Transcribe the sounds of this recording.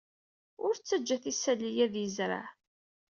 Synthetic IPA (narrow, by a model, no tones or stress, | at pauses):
ʊɾt͡sːæd͡ʒːæθisːælːijæðjəzɾa̰ʕ